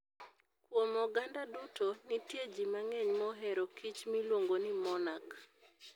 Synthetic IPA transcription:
kwomɔɡandadutonitjed͡ʒimaŋɛɲmɔɦɛɾokʰit͡ʃmilwoŋɡonimɔnak

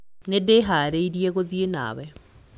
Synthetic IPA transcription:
nedeɦaːɾeiɾiɛɣoðiena̰ːwɛ

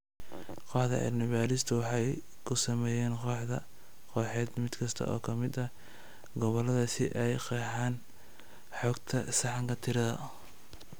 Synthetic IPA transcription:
qɔħðɐ̰ʕɛ̰lnɪβaːɾɪst̪ʰʊwɑħɑj | kʰʊsɐmɛːjɛːnqɔːħðɐ̰ | qɔːħɛːd̪mɪd̪kʰɐst̪ʰɐ̰ʔɔ̰ːkʰɐmɪd̪ɐ | ɡɔβɔlɐðɐsɪʔɛjqɛːħɑːn | ħɔːɡt̪ʰɐsɑħɑŋkʰɐt̪ʰɪɾɐðɐ̰

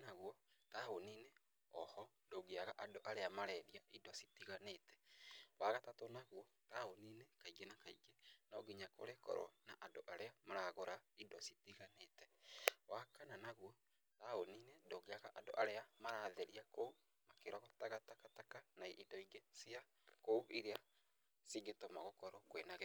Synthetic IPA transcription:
naɣwɔtahonine | ɔ̰hɔ | doɡeaɣaʔadoʔaɾeamaɾɛɾiaidɔsitiɣanetʰɛ̥waɣatatonaɣwɔ | tahoninekaiɡenakaiɡenɔɡiɲako̰ɾekɔ̰ɾɔ̰naʔadoʔaɾeamaɾaɣoɾaidɔsitiɣanetɛwakananaɣwɔ | taoninedoɣeaɣaʔado̰ʔaɾeamaɾaðeɾiako | makeɾɔɣɔtaɣatakatakanaiʔidɔiɡesia | koβiɾea | siŋɡetomaɣokɔɾɔkwenaɣɛ

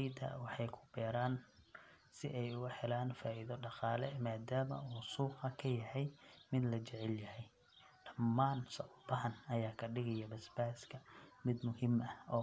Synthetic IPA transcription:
d̪ɐ̰wɑħɑjkʰʊ̥b̥ɛːɾaːn | sɪ̰ʔɛjʊɣʊħɛlaːnfaːʔiðɔɖɑqɑːlɛmaːd̪aːmɐ̰uːsuːqɑkʰɐjɐhɛjmɪd̪lɐt͡ʃɛʕɛljɐhɛj | ɖɐmːaːnsɔbɐɦɐnɐjaːkʰɐɖɪɣɐjɔbɐsbaːskʰɐmɪd̪mʊhɪmʔɐɔː

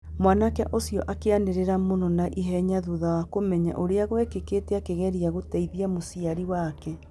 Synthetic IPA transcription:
mwaːnakɛ̰ʔosijɔ̰ʔakeaneɾeɾamonɔnaʔiɦɛɲaðuðawakomɛɲa̰ʔoɾeaɣwɛkekeːtɛakeɣɛɾiaɣotaiðiamosiaɾiwakɛ

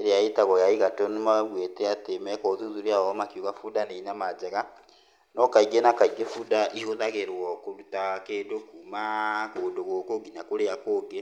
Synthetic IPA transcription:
eɾejaitaɣɔjaiɣatɔnemaβwetɛatemɛkɔðunzuɾiaɔmakiuɣafudaneinamad͡ʒɛɣa | nɔkaiɡenakaiɡefudaʔihoðaɣeɾwɔkoɾutakedokumakodoɣokoɡinakoɾeakoːɡe

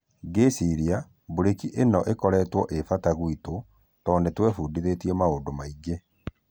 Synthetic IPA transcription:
ɡesiɾia | boɾekiʔenɔʔekɔɾɛːtwɔʔefataɣwito | tɔːnetwɛfuːdiðetiɛmaoːndomaiɡe

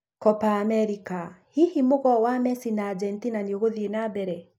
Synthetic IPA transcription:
kɔpaːmɛɾikahihimoɣɔwamɛsinaːd͡ʒɛntinanioɣoðienabɛɾɛ

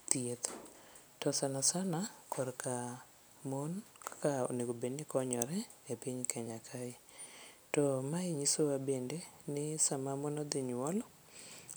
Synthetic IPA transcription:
t̪jet̪ | tɔsanasanakʰɔɾkʰa | monkkao̰neɡobenɪkɔɲɔɾɛ | epiɲkʰɛɲakʰaɪtɔmaɪɲisowabendenɪsamamonɔd̪ɪɲʊɔlɔ

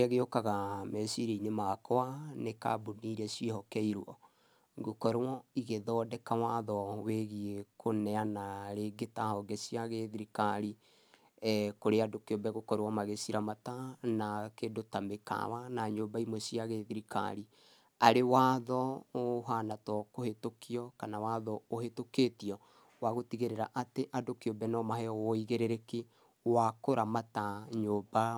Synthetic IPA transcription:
aɣeokaɣamɛsiɾiinemakɔaneka̰buniɾɛsiehɔkɛiɾwɔ̰ | ɡokɔɾwɔiɣeðɔːdɛkawaðɔweɣiekʰonɛanaɾeːɡetahɔɡɛsiaɣeðiɾikaɾi | koɾeadokeobɛɣokɔɾwamaɣesiɾamatanakedotameka̰wanaɲoːbaimwɛsiaɣeðiɾika̰ɾi | aɾewaðɔoɦanatɔkohetokiɔkanawaðɔoɦetoketiɔ | waɣotiɣeɾeɾaʔateʔadokeobɛnɔmahɛɔwɔiɣeɾeɾeke | wakoɾamataɲoːba

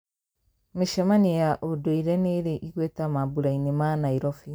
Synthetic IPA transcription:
meʃɛmaniejaʔodoiɾɛneɾeʔiɣwɛtamabuɾainemanaiɾɔfi

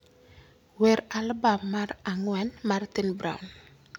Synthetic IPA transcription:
weɾalbamːaɾaŋwɛnmart̪inbɾa̰wn

